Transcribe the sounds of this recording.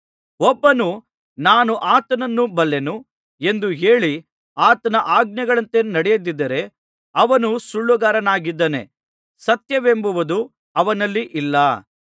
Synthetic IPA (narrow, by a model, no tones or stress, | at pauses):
ɔbːɐnu | naːnuʔaːt̪ɐnɐnːubɐlːenu | e̞nd̪uɦe̞ːɭi | aːt̪ɐnɐʔaːɡ̚njɐɡɐɭɐnt̪enɐɽɛjɐd̪id̪ːɐɾe̞ | ɐʋɐnusuɭːuɡaːɾɐnaːɡid̪ːɐne̞̰ | sɐt̪jɐʋembuʋud̪u | ɐʋɐnɐlːiʔilːɐ